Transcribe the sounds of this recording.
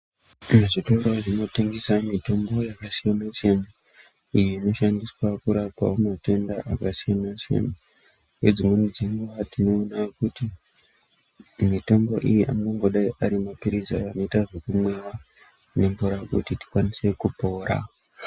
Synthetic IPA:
meʐito̞ɾo̞ʐino̞te̞ŋɡe̞samito̞mbo̞jakasijanaʃena | ijeino̞ʃandiswakuɾaka̰omate̞ndaʔakasijanaʃḛna | wed͡zimunud͡ziŋɡuʋatino̞ːnakuti | mito̞mbo̞ʔijiʔamɡoŋɡoɗaiʔaɾimapiɾizaano̞itaʐekumwe̞wa | ne̞ɱvuɾakutiti̥kwanise̞kupo̞ːɾa̰

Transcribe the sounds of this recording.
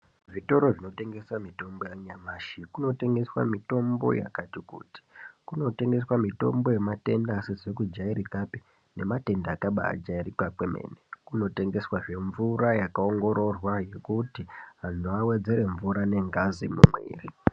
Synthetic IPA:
ʐito̞ɾo̞ʐino̞te̞ŋɡe̞samito̞mbo̞jaɲamaːʃikuno̞te̞ŋɡe̞swa̰mito̞mbo̞̰ja̰katikṵːti̥kuno̞te̞ŋɡe̞swamito̞̰mbo̞je̞mate̞ndasezek̬ud͡ʒaiɾikapi̥ | ne̞mate̞ndaːkaɓa̰ːd͡ʒairikakwemḛːnekuno̞te̞ŋɡe̞swaʐe̞ɱvuɾajakao̞ŋɡo̞ɾo̞rwaje̞kutiɦanuawe̞d͡ze̞ɾe̞ɱvuɾane̞ŋɡazimṵmwḛːri

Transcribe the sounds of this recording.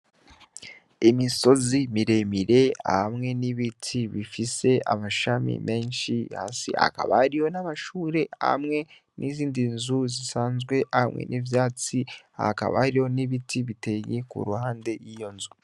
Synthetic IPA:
imiso̞zimiɾe̞miɾe̞a̰hamŋe̞niβitʰiβifise̞a̰maʃamḭme̞ːnʃiha̰ːsḭa̰ka̰βahaɾijo̞naβaʃuːɾe̞ha̰mŋe̞ | nʔiziːndinzuzisaːnzɡwe̞hamŋḛnʔivjaːt͡sia̰ka̰βa̰haɾijo̞niβitiβite̞je̞kṵɾuhaːnde̞jijo̞nzu

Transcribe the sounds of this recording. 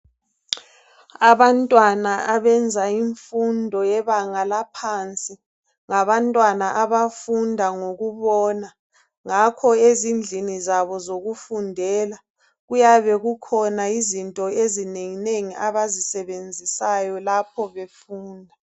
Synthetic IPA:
aβantʼwanaaβɛnd͡zʱaiɱfundʱɔjɛβaŋalapʰant͡sʼi | ŋaβantʼwanaʔaβafundʱaŋoɣuβɔna | ŋakʰɔezind͡ɮʱinizaβɔzoɣufundʱɛla | ɣujaβɛɣukʰɔnaizintʼɔezineŋineŋiʔaβazisɛβend͡zʱisajɔlapʰɔβefuːndʱa

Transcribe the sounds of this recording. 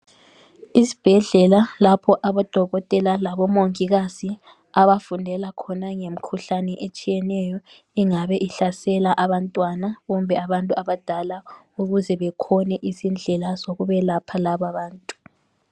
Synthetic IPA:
isi̥b̥ʱɛɮɛlalapʰɔʔaβad̥ʱɔɣɔtʼɛlalaβɔmoŋiɣazi | aβafundʱɛlakʰɔnaŋem̩kʰuɬanɛʔet͡ʃʼijɛnɛjɔ | iŋaβɛʔiɬasɛlaʔaβantʼwanaβɔmbʱɛaβantʼuaβad̥ʱala | uɣuzɛβɛkʰɔnɛʔizind͡ɮʱɛlasoɣuβɛlapʰalaβaβaːntʼu̥

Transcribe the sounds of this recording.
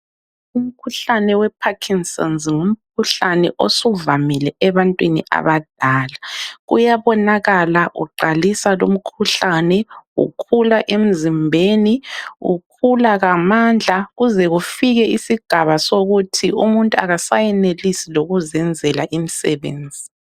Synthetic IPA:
um̩kʰuɬanɛwɛpʰakʰinstʼɔ̰nzŋum̩kʰuɬanɛ̰ʔosuvamilɛɛβantʼwiniʔa̰βad̥ʱaːlaɣujaβɔnaɣalaʔṵǃalisalom̩kʰuɬanɛɣṵkʰulaʔem̩zimbʱeːniɣṵkʰulaɣamand͡ɮʱaɣuzɛɣufiɣɛisiɡ̥ʱaβasoɣutʰiumuntʼuaɣasajɛnelisiloɣuzɛnd͡zʱɛlaʔimisɛ̰βḛːnd͡zʱi

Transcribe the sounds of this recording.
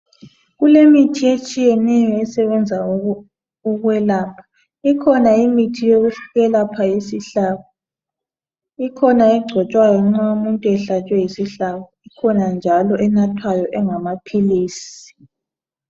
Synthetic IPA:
ɣulemitʰiet͡ʃʼijɛnɛjɔɛsɛβɛnd͡zʱa | uɣwɛlaːpʰḁ | ikʰɔnaimitʰijoɣuɬɣɛlapʰajisiɬaβɔ | ikʰɔnaɛɡ͡ǀʱɔt͡ʃʼwajɔŋ͡ǁaumuntʼuɛɬat͡ʃʼwɛjisiɬaɣɔikʰɔnand͡ʒʱalɔʔɛnatʰwajɔʔɛŋamapʰiliːsi̥

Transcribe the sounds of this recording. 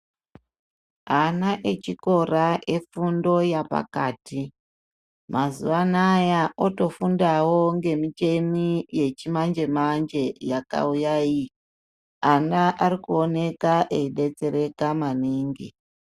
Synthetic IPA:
anaʔet͡ʃiko̞raʔe̞fundo̞japa̰kaːti | mʔazṵʋanajaoto̞fundawo̞ŋɡe̞mit͡ʃe̞mije̞t͡ʃimand͡ʒe̞mand͡ʒe̞jaka̰ujai | anaʔaɾikuo̞ne̞kaʔeiɗe̞t͡se̞ɾe̞kamaniːŋɡḭ

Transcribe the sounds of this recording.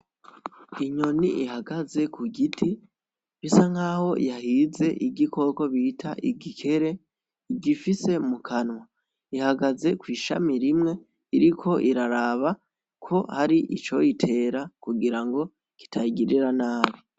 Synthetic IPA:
iɲo̞nḭʔihaɡaze̞kuɡitʰi | βisaŋaːho̞jahize̞ʔibɟiko̞ko̞βitʰaʔiɡikʰe̞ɾe̞ | iɟifise̞mukʰanwa | ihaɡaze̞kwiːʃa̰miɾimŋe̞ | iɾikʰo̞ʔiɾaɾaβa | kʰo̞haɾiʔit͡ʃo̞jitʰe̞ːɾakuɡiɾaŋɡo̞ | ki̥tʰaiɡiɾiɾanaːβi

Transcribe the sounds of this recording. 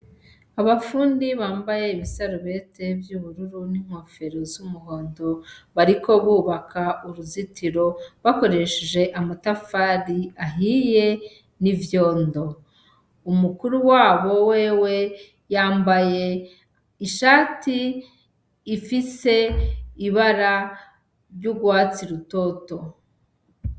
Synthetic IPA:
aβafuːndiβaːmbaje̞iβisaɾuβe̞te̞vjuːβuɾuɾuniŋ̥ho̞fe̞ɾozumuɦo̞ːndo̞βaɾiko̞βuːβakauɾuzitiɾo̞βako̞ɾe̞ʃeʒe̞ʔamatafaɾiaɦije̞ | nivjo̞ːndo̞ | umukuɾuwaːβo̞we̞ːwe̞ | jaːmbaje̞ | iʃaːtiː | fise̞iβaɾa | ɾɟuɡwaːt͡siɾuto̞ːto̞

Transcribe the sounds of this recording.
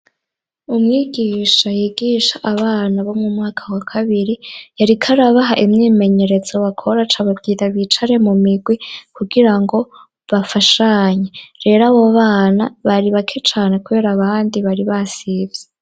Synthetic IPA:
umŋiːɡiːʃajiːɡiːʃaʔaβaːnaβo̞mŋumŋaːkʰawakʰaβiɾijaɾikʰaɾaβaɦaʔimɲiːme̞ɲe̞ɾe̞zoβakʰo̞ɾat͡ʃaβabɡiːɾaβit͡ʃaɾe̞mumiɡwikuɡiɾaŋɡo̞ | βafaʃaɲeɾe̞ːɾaβoβaːnaβaɾiβakʰet͡ʃaːne̞kuβe̞ːɾaβaːndiβaɾiβasivje

